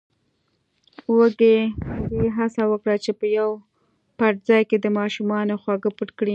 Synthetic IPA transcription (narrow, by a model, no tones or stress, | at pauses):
wəɡeɡeɦasawəkɽat͡ʃepəjaw | paʈzɑjked̪əmɑʃumɑnoxwaɡəpəʈkɽi